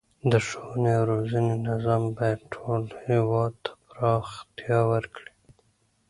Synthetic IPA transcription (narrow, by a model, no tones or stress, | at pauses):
d̪əʃownewɾozanenazɑmbɑjad̪̚ʈʰolhewɑd̪̚t̪ʰḁpɾɑxt̪jɑwəɾkɽi̥